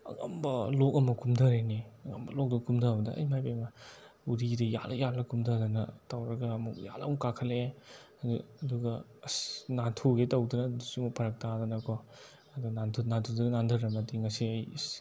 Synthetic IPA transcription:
ɐ̰ŋɐ̰mbɐlokɐmɐkʰumdʱɐɾeneɐŋɐ̰mbɐlok̚dɐkumdɐɐbɐdɐɐ̰jmajpemɐ | uɾidɐja̰lɐjalɐkumdɐdɐnɐtɐwɾɐɡɐːmukja̰lɐ̰mkakʰɐle | ɐdːduɡɐ | nantʰuɡetɐwdunɐdusimopʰɐɾɐk̚tadɐnɐkɔ | ɐduɡnantʰunantʰudɐɡɐnandʱɐɾɐmɐtiŋɐsiɐj

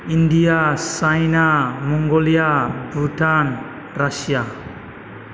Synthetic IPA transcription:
indijasajnamɔŋɡolijabɾuʈʰan | ɾasija

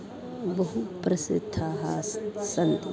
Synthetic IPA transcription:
bɐɦupɾɐsɨt̪ʰːaːɦaːsɐnt̪ʼ

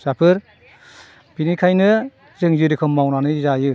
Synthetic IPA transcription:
sapʰɯɾ | b̥inikʰajnɯ | zɯŋzɯɾikʰɯmːawnanɯzajɯ

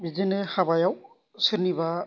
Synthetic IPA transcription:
bizenɯhabajaw | sɯniba

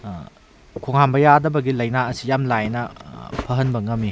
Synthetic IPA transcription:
kʰoŋhambɐjadɐbɐɡilɐjnaɐsijamlajnɐpʰɐɦɐnbɐŋɐmi

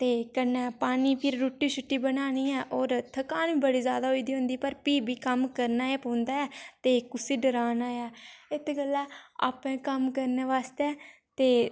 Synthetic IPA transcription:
t̪eːkənɛːpaːniːpʰɪɾːoːʈːiːʃʊʈːiːbənaːniːɛːʔoːɾt̪ʰəkaːnʋiːbəɽiːzjaːd̪aːɦoiːd̪iːɦʊ̃ːnd̪iːpəɾpiːbiːkəmkəɾnaːeːpõːnd̪aːɛːt̪eːkʊsiːɖəɾaːnaːjaːɪt̪ʰkəlːaːa̰ːpɛ̃ːkəmkəɾneːʋaːst̪eɛː | t̪eː

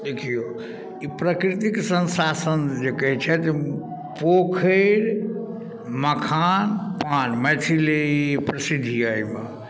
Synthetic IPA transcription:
d̪ekʰijo | ipɾəkɾit̪iksənsasənd͡ʒekəɦɛt͡ʃʰɛt̪e | pokʰəɾ | məkʰanpanmɛt̪ʰilepɾəsid̪ʱijajme

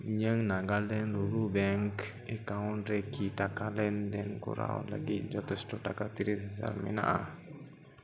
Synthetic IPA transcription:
ɲəŋnaɡaldɛnɾuɾubɛŋk | ikaunɾekːitakalendɛnkṵɾa̰w̰la̰ɡid͡ʒɔt̪ɔstɔtakat̪iɾissa̰lmḭna̰ʔa

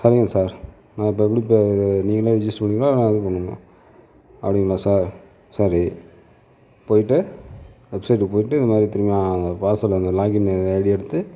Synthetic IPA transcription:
sɐɾɪŋɡɐsaːɾ | nãːɪp̬ːoːɛp̬ːɐɽipːeniːŋɡɐleːɾɪd͡ʒɪsʈpɐɳːɪŋɡlaːnãːɛðɯpɐɳːɯnõ̰ː | ɐ̰pːɐɽɪŋɡɐlːaːsaːɾ | sɐɾi | poːjɪʈːɯʋɛbsɐɪʈːpoːjɪʈːɯɪnd̪ɐmaːd̪ɾit̪ɪɾɯmɐjaːɐnd̪ɐpaːɾsɐlɐnd̪ɯlaːɡɪnɐɽiɛɽɯt̪ːɯ

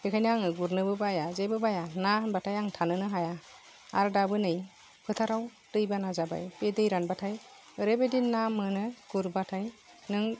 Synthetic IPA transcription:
kʰekʰajnɯaŋɯɡuɾnɯbɯbajazajbɯbajananbatʰajaŋtʰanɯnɯɦaja | a̰ɾdabɯnɯj | pʰɯtʰaɾaw | tɯjbanazaba̰jpedɯjɾanbatʰaj | ɯɾebedinːamɯnɯɡ̥uɾbatʰaj | nɯŋ

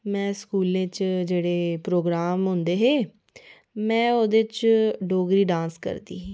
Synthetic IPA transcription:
mɛ̃ːskuːlẽːt͡ʃd͡ʒeːɽeːpɾoːɡɾaːmɦʊ̃ːnd̪eːɦeː | mɛ̃ːoːd̪et͡ʃɖoːɡɾiːɖãːnskə̰ɾd̪ḭːɦĩː

